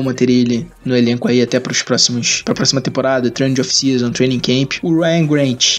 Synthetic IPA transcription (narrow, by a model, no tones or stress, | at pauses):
mɐ̃t̪eɾili | nʊelẽŋkʊaiat̪ɛpɾʊʃpɾɔsimʊʃpɾɐpɾɔsimɐt̪ẽpoɾad̪ɐt̪ɾẽñd͡ʒofi̥siɐzɐ̃w̃t̪ɾẽj̃nĩkẽpɪ̥ʊɾajɐ̃ɡɾẽnt͡ʃɪ̥